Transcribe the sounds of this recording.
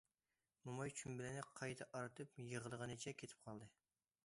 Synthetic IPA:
mumɑjt͡ʃʰymbɪlɪnɪqʰɑjt̪ʰɑʔɑɾɨt̪ʰɨpjəʁəlˠəʁənɨt͡ʃʰɛkʲʰet̪ʰɪ̥p̚qʰɑlˠd̪ɨ

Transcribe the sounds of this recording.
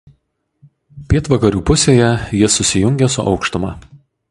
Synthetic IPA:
pʲiɛt̪ʋɐkɐɾʲuːpʊsʲeːjɛjiɛsʊsʲɪjʊŋʲɡʲɛsʊʔɒ̰ʊkʃt̪ʊmɑː

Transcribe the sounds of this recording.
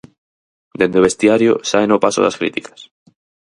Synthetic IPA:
d̪end̪eβest̪jaɾjo̰saenopasoðaskɾḭt̪ikḁs

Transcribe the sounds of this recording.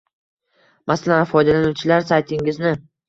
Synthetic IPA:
masalanfɒjd̪alanut͡ʃʰɪlaɾsajt̪ʰɪŋɪznɪ

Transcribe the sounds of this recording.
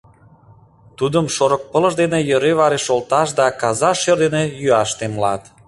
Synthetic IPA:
t̪ud̪əmʃoɾək̚pələ̆ʃd̪enejə̆ɾeβɑɾeʃolt̪ɑʃd̪ɑkɑzɑʃørd̪enejyɑʃt̪emlɑt̪

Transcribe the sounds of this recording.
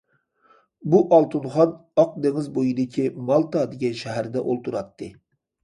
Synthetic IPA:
buʔɑlˠt̪ʰunχɑnɑq̚d̪eŋɪzbojid̪ɪkʲʰimɑlˠt̪ɑd̪eɡʲɛnʃɛɦæɾd̪ɛʔolˠt̪ʰuɾɑt̪ʰːɨ

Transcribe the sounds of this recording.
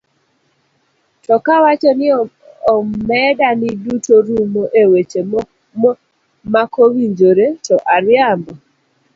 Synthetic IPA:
tɔkawat͡ʃɔnɪ | ɔmɛdanɪdutoɾumoʔewet͡ʃe | makowiɲd͡ʒoɾetɔʔaɾjambɔ

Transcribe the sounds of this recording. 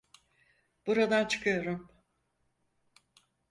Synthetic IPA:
b̥uɾad̪ant͡ʃʰɯ̥kʰɯjo̞ɾum

